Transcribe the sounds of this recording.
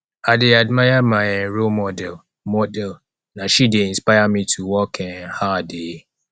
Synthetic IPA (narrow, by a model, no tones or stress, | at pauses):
adɪadmajamaɾomɔdɛl | mɔdɛl | naʃideinspaɪamitʰuwɔkʰɛhade